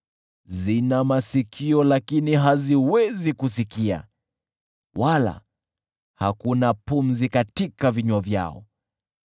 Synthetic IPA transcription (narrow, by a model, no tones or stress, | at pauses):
zinamasikʰiɔlakiniɦaziwɛzikusikia̰ | wala̰ | ha̰kunapum̩zikatikaviɲavja̰ɔ̰